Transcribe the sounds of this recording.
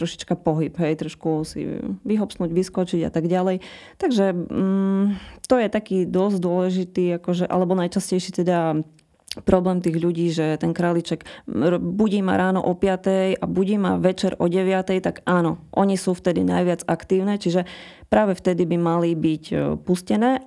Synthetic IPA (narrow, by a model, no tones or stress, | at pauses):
t̪ɾɔʃi̥t͡ʃkapɔɦibɦɛjt̪ɾɔʃkusḭʋiɦɔpsnuːɟʋiskɔt͡ʃiɟa̰t̪aɡɟalɛj | t̪aɡʒɛ | t̪ɔjɛt̪akiːd̪ɔzd̪ʊɔlɛʒit̪iːakɔʒɛʔa̰lɛbɔnajt͡ʃascɛjʃit̪ɛd̪a | pɾɔblɛːmt̪iːɣʎuɟiːʒɛt̪ɛnkɾaːlit͡ʃɛk | buɟiːma̰ɾaːnɔ̰ʔɔpɪat̪ɛja̰buɟiːmaʋɛt͡ʃɛɾɔɟɛʋɪat̪ɛjt̪aɡaːnɔʔɔɲisuft̪ɛd̪ḭna̰jʋɪad͡zakt̪iːʊnɛt͡ʃiʒɛ | pɾaːʋɛft̪ɛd̪ibimalibicpuscɛnɛː